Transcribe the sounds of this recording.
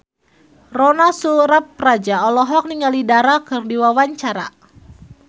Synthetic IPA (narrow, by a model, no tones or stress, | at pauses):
rɔnasuɾap̚rad͡ʒaɔlɔɦɔk̚niŋalidaɾakɨrdiwawaɲt͡ʃaɾa̰